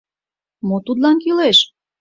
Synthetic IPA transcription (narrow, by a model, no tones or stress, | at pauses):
mot̪ud̪lɑnkileʃ